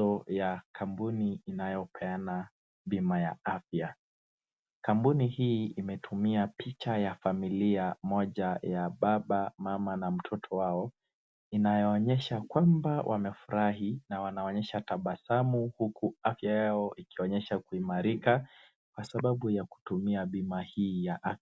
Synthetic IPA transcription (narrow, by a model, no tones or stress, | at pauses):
ɔjakʰampuniinajɔpɛana | ɓimaja̰afja | kampunihiːimɛtʰumiapit͡ʃajafamiliamɔʄajaɓaɓamamanam̩tʰɔtʰɔwaɔ | inajɔːɲɛʃakwambawʔa̰mɛfuɾaɦinawanaɔɲɛʃataɓasamuhukʰuafjajaɔʔikiɔɲɛʃakuimaɾika | kwasaɓaɓujaku̥tumiaɓimahiːjaʔa